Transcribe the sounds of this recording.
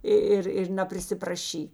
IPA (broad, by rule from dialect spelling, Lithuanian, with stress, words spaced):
ɪ ˈɪr ɪr nɐpʲrʲɪsʲɪprɐˈʃʲiː